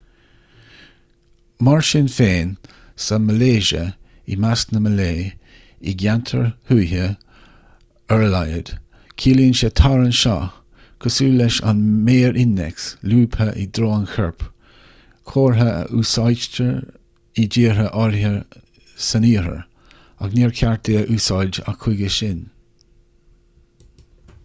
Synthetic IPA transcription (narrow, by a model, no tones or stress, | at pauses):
maɹʃɪnfeːn | səməleːʒə̰ | ḭmasnəməleː | iɡantʰəɹhujhə | əɹəlajə̰d̥ | kʰiːliːnʃət̪ʰaɹənʃa̰ː | kʰəsuːlɛʃa̰nmeːɹʔɪndɛ̰ksluːbhəʔid̪ɾoːnxʰɛɹp | kʰoːɹɦəə̰ʔuːsɑjd͡ʒtəɹ | id͡ʒiːɹəʔɔɹhə | səniːɾə̰ɹ | aɡniːɹkʰaɹteːəʔuːsɑjd͡ʒa̰kʰwɪɡəʃɪn